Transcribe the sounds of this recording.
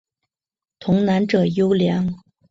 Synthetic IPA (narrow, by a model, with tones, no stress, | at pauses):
t̪ʰʊ˧˥ŋna˧˥nʈ͡ʂɤ˨˩jo˥ʊljɑ˧˥ŋ